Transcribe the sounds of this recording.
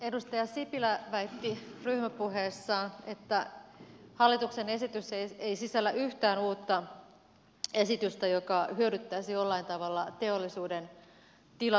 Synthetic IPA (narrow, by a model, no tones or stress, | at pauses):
edust̪ɑjɑsipilæʋæit̪ːiryhmæpuɦeːsːɑːnet̪ːæ | hɑlːit̪uksene̞sit̪yseeisisælːæʔyht̪æːnuːt̪ːɑ | e̞sit̪yst̪æjokɑhyøɾyt̪ːæisijolːɑint̪ɑʋɑlːɑt̪e̞olːisuːden | t̪ilɑ